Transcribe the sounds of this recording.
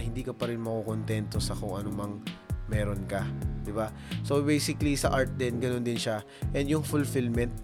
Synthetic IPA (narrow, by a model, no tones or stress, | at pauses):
hɪnd̪iːkɐpɐɾɪnmɐkokont̪ɛnt̪o̞sɐkoŋʔɐnomɐŋmɛːɾonkɐd̪ɪba | sobejsɪklisɐ̰ʔaɹt̪̚d̪ɛnɡɐno̞nd̪ɪnʃa | ʔɛnd̪jʊŋfʊlfɪlmɛnt̪̚